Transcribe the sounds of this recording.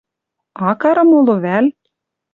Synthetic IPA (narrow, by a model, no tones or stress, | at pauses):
ɑkɑɾɤ̆moloβæl